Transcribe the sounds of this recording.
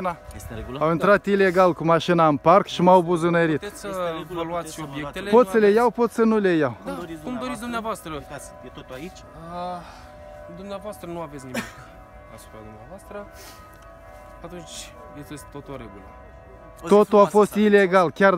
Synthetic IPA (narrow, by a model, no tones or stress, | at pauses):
naawint̪ɾat̪ile̞ɡalkumaʃinaɨmparkʃimawbuzɨnəɾit̪səvaluat̪sʃobjekt̪elepo̞t̪səlejawpo̞t̪sənulejawumd̪o̞ɾit̪sʲd̪umneavoast̪ɾəot̪ | ə | d̪umneavoast̪ɾənuave̞tsʲniik | a̰su̥pɾad̪umneavoast̪ɾə | at̪unt͡ʃʲ | jet̪est̪t̪ot̪oɾeɡul | o̞t̪ulafo̞st̪ileɡalkʲar